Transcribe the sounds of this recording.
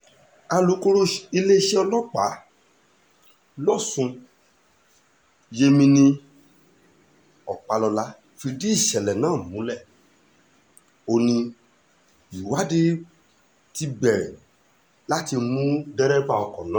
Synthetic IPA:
a˧lu˨˦ko˧ɾo˦i˧le˦ʃe˦ɔ˧lɔ˦k͡pa˨˦ | lɔ˦˨sũ˧ | je˧mĩ˧nĩ˧ | ɔ˨k͡pa˧lɔ˧la˦ | fi˧di˦i˦˨ʃɛ˨lɛ˨nãː˨˦˨mũ˨˦lɛ˦˨ | o˧nĩ˧ | i˨wa˨˦de˦ | ti˧bɛ˨ɾɛ̰˨ | la˦ti˧mũ˦dɛ˦ɾɛ˦ba˦˨ɔ˧˨kɔ̃˨nã˨˦

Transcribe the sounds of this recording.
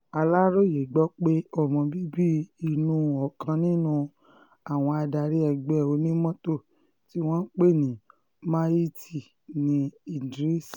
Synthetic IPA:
a˧la˦ɾo˦je˨ɡ͡bɔ˦k͡pe˦ɔ˦˨mɔ̃˧bi˦bi˦i˧nũ˦ɔ˨kã˧nĩ˦nũ˦ | a˦˨w̃ɔ̃˧a˧da˧ɾi˦ɛ˧˨ɡ͡bɛ˦˨o˧˦nĩ˦mɔ̃˦to˦˨ | ti˨˦w̃ɔ̃˦k͡pe˦˨nĩ˨ | mã˦i˦ti˦˨ | nĩ˧i˦˨dɾi˦s

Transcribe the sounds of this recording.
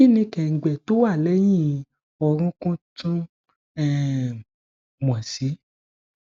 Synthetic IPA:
i˦nĩ˧kɛ̃˨ŋ̩˨ɡ͡bɛ˨to˦wa˦˨lɛ˨˦j̃ĩ˦˨ | ɔ˧ɾ̃ũ˦kũ˦tũ˦ | ɛ˦ | m̃˨ã˨si˨˦

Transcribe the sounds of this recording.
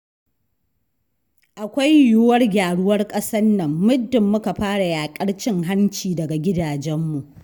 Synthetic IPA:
ʔa˨kʷa˦jjʊ˦wɐ˦rɡʲaː˨ɽʊ˦wɐ˦rkʼɐ˦sɐ˦nːɐ˨mːʊ˦dːɪ˨mːʊ˦ka˨ɸaː˦ɽa˨jaː˨kʼɐ˦ɽt͡ʃɪ˦ŋɦa˦nt͡ʃiː˨dɐ˨ɡa˨ɡʲɪ˦daː˨d͡ʒɛ˦mːu˨ʔ

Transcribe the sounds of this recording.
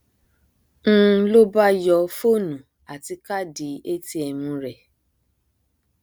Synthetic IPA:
ñ̩˦˧lo˦ba˦jɔ˧fo˦˨nũ˨ | a˨ti˧ka˦di˨˦e˦ti˧ɛ˧mũ˧ɾɛ˨

